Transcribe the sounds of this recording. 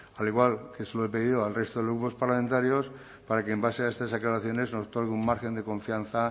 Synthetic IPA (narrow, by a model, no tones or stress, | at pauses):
aliɣwalkesloepeðiðoalre̞st̪oðeloɣupo̞spaɾlamẽnt̪aɾjo̞s | paɾakeːmbaseaest̪azðeklaɾaθjo̞ne̞znosot̪o̞ɾɣeummaɾxe̞nd̪e̞kõ̞ɱfianθa